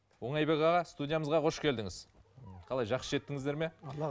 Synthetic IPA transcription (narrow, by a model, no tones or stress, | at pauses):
wo̞ɴɑjbekʲɑʁɑst̪udʲijaməzʁɑqʰo̞ʃkʲʰe̞ld̪ɪŋɪzqʰɑlˠɑjʒɑqsəʒe̞t̪ːɪŋɪzd̪e̞ɾme̞lˠ